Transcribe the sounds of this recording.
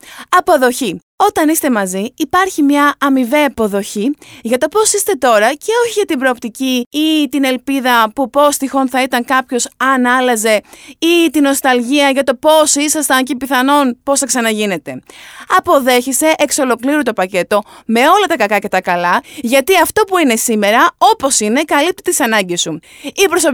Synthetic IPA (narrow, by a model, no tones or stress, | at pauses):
ɐpo̞ðo̞çi | o̞t̪ɐnist̪e̞mɐziːpɐɾçimɲɐːmiveɐpo̞ðo̞çiʝɐt̪o̞po̞sist̪e̞t̪o̞ɾɐce̞o̞çiʝɐt̪imbɾo̞ːp̚t̪iciːt̪ine̞lpiðɐpupo̞st̪ixo̞nθɐit̪ɐŋkɐpço̞sɐnɐlɐze̞it̪ino̞st̪ɐlʝiɐʝɐt̪o̞po̞sisɐst̪ɐncipiθɐno̞npo̞sθɐksɐnɐʝine̞t̪e̞ɐpo̞ðe̞çese̞ʔekso̞lo̞kliɾut̪o̞pɐce̞t̪o̞me̞o̞lɐt̪ɐkɐkɐce̞t̪ɐkɐlɐʝɐt̪iɐft̪o̞puine̞sime̞ɾɐo̞po̞sine̞kɐlip̚t̪i̥t̪isɐnɐɲɟesu | ipɾosop